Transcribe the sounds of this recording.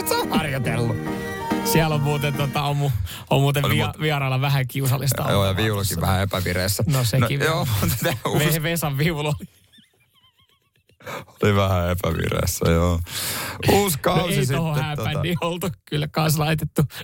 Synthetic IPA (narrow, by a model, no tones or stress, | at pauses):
t̪seõhɑrjot̪elːu | siælommuːt̪ent̪ot̪ɑommu | ommuːt̪eiɑʋiɑrɑlːɑʋæhæŋkiusɑlːist̪ɑ̰joːjɑʋiulosiʋæhæepæʋiɾeːsːænosenijoːmut̪t̪æuʋeʋesɑʋʋiuloli | oliʋæhæepæʋḭrḛːsːæ̰joː | uːskɑnouesisiohohæːpænːiolt̪ukylːkɑnslɑit̪et̪ːu